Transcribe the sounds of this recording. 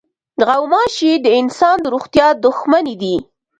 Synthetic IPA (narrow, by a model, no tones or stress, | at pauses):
ɣawmɑʃid̪əɪnsɑnd̪əɾoɣt̪jɑd̪ʊxmanid̪i